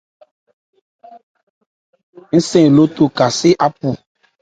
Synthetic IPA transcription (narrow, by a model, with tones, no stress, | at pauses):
ŋ̩˦sẽ˦˨lo˦t̪o˦˨ka˨se˦ʔa˦pu˨